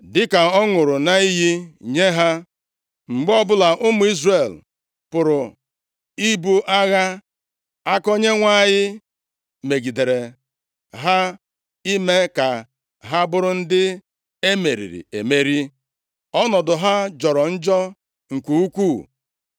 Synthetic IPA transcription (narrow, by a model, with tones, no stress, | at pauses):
dɪ˦ka˨ɔ˦ŋʊ˨ɾʊ˨na˨i˦ɦi˦ɲe˦ɦa˦ | ŋ͡m̩˨ɡ͡bɔ˦bʊ˦la˨ʔʊ˦mʊ˨˦i˦zre˨l | pʊ˨ɾʊ˨ | i˦bu˦ʔa˦ɣa˦ | a˦ko˦ɲe˦ŋʷa˦˨ɲɪ˦ | me˨ɡi˨de˨ɾe˨ | ɦa˦ | i˦me˦ka˨ | ɦa˦bʊ˦ɾʊ˦n̩˦dɪ˦ | e˦me˨ɾḭ˨ɾḭ˨ḛ˨me˦ɾi˦ | ɔ˦nɔ˨dʊ˨ɦa˦d͡ʒɔ˨ɾɔ˨n̩˦d͡ʒɔ˦ | ŋ̩˨kʷu˨u˦kʷu˦˨